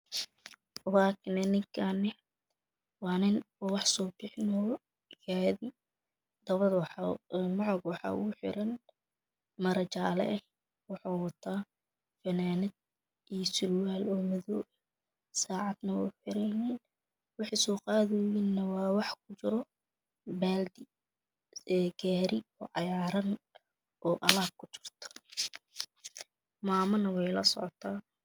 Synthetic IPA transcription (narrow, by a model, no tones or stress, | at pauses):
waːknɛnɪkʰanɛ | wɑːnɪnɔwɑħsɔːbɪħɪnɔː | ɡaːði | d̪̥ɐβɐdwmɑʕɑɡwɑħɑ̰ːʔʊ̰ʊħɪ̰ɾɐn | mɐɾɐt͡ʃaːlɛ̰ʔɛ | wɑħɑːwɑt̪ʰaː | fɐnaːnɪd̪̚ | ʔijɔsʊrwaːlɔːmɐðɔː | saːʕɑd̪nɐwɛ̰ħɪɾɛnɛːn | wɑħɑjsɔːqɑːðɛjinːɐwɑːwɑħkʰʊt͡ʃɪɾɔ | baːld̪ɪ | ɛːɡaːɾɪɔːʕɑjaːɾɐn | ʔɔːʔɐlaːb̚kʰʊt͡ʃɪ̥rt̪ʰɔ̥ | maːmɐnɐwɛjlɐsɔ̰ʕɔt̪ʰaː